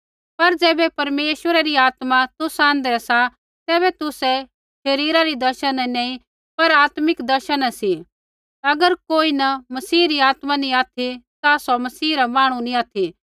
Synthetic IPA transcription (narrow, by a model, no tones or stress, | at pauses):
pɐɾd͡ʒɛːbɛpɐɾmeːʃwəɾaɾiaːt̪mãt̪ʊsãːnd̪ɛɛsa | t̪ɛːβɛt̪ʊsɛ | ʃɐɾiːɾaɾid̪ɐɾʃənnɐ̃ːĩ | pɐɾaːt̪mɪkd̪ɐɾʃənsi | ɐɡəɾkoːinɐmɐsiːɾiaːt̪manĩaːt̪ʰit̪asɔmɐsiːɾamaːɽ̃unĩaːt̪ʰi